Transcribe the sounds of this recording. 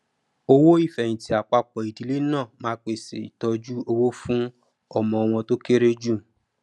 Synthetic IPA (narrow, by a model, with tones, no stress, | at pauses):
o˧wo˦i˦˨fɛ̃˨ĩ˨ti˨˦a˨k͡pa˧k͡pɔ˨i˨di˨˧le˦nãː˦˨mãː˧˦k͡pe˨sḛ˨i˨tɔ˧d͡ʒu˦o˧wo˦fũ˦ | ɔ˦˨mɔ̃˨ɔ˧w̃ɔ̃˧to˦ke˦ɾe˦d͡ʒũ˦˨